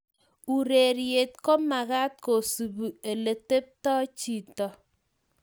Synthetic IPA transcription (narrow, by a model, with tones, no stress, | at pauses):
u˨ɾe˨ɾje˨t̚ko˦ma˨ɣa˦t̚ko˨su˨bu˨e˨le˨te˦p̚tɔ˦t͡ʃi˦tɔ˨